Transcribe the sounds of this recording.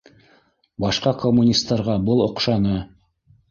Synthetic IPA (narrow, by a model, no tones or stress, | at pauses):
bɑʃqɑkomːunʲist̪ːɑɾʁɑbɤlˠŏqʃɑnɤ